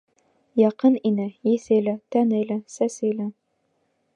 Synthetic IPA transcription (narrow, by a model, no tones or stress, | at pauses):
jɑqɤninɘjisɘjlæt̪ænɘjlæsæsɘjlæ